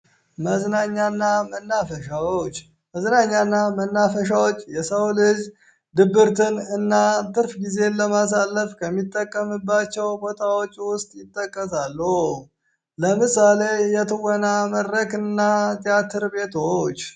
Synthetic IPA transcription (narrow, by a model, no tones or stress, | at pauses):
məznaɲːanːamənːafəʃawot͡ʃː | məznaɲːanːamənːafəʃ̬awot͡ʃʼːjɛsəwlɨz | d̪ɨbːɨɾt̪ʰɨnɨnːat̪ʼɨɾfɡize̞nləmas̬alːəfkʰəmːit̪ʼːəkʼːəmɨbːat͡ʃːɛwbo̞t̪ʰawo̞t͡ʃːwʊst̪ʼjɪt̪ʼːəkʼːəsalːuh | ləmɨsale̞jɛt̪ʰɨwɔnaməd̪ɾəkɨnːat̪ʼijat̪ʰɨɾbe̞t̪ʰot͡ʃː